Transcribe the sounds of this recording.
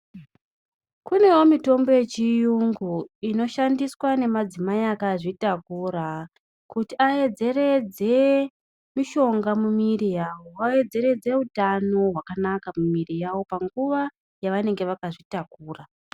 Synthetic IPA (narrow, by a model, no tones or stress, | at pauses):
kune̞wo̞mito̞mbo̞je̞t͡ʃijuŋɡuino̞ʃandiswane̞mad͡zimajakaʐitakuɾa | kutiae̞d͡ze̞re̞d͡ze̞ | miʃo̞ŋɡamumirijaːwo̞wae̞d͡ze̞ɾe̞d͡ze̞utano̞ɦwakanakamumirijawo̞paŋɡuʋa | jaʋane̞ŋɡe̞ʋakaʐitakuːra